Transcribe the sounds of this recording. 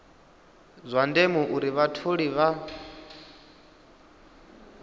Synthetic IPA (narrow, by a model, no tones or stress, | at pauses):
zʷandemuʔuɾiβatʰuɺiβa